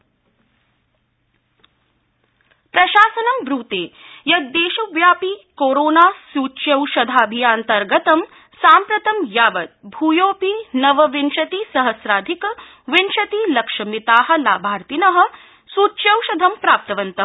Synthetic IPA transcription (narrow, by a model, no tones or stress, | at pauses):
pɾɐʃaːsɐnɐmbɾuːt̪eːjɐɡ̪̚d̪eːʃɐʋjaːpikoːɾoːnaːsuːt͡ʃjɐwʃɐd̪ʱaːbʱijaːnt̪ɐɾɡɐt̪ɐm | saːmpɾɐt̪ɐmjaːʋɐt̪̚bʱuːjoːpinɐʋɐʋinʃɐt̪isɐɦɐsɾaːd̪ʱikɐ | ʋinʃɐt̪iːlɐkʂɐmit̪aːɦɐ̆laːbʱaːɾt̪inɐɦɐ̆ | suːt͡ʃjɐwʃɐd̪ʱɐmpɾaːp̚t̪ɐʋɐnt̪ɐ